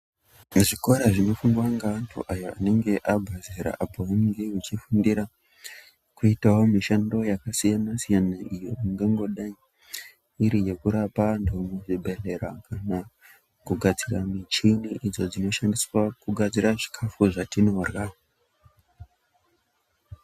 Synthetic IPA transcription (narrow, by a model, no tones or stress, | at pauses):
ʐiko̞ɾaʐino̞fuŋɡwaŋɡaantʰṵʔajoane̞ŋɡe̞ʔabʱaziɾa̰ʔapowanŋɡewut͡ʃifundiɾa | kuitawo̞miʃando̞jakasijanasijanaʔijo̞iŋɡaŋɡo̞ɗai | iɾije̞kuɾapandomuʐibʱe̞ɮe̞ɾakana | kuɡʱad͡ziramit͡ʃiniʔid͡zo̞d͡zino̞ʃandiswakuɡʱad͡ziɾaʐikʰafuʐatino̞rɣa